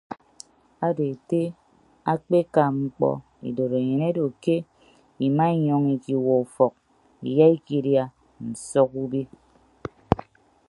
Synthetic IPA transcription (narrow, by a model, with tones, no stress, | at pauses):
a˦de˨te˦ | a˦k͡pe˦ka˨ŋ͡m̩˦k͡pɔ̰˦ | ḭ˨do˨ɾe˨ɲe˨ne˦do˨ke˦ | i˨ma˦i˦ɲɔ˦ŋi˨ki˨wɔ˨u˨fɔ˨k̚ | ḭ˨ja˦i˦ki˦˨˦dja˦ | n̩˨sɔ˦ku˦bi˦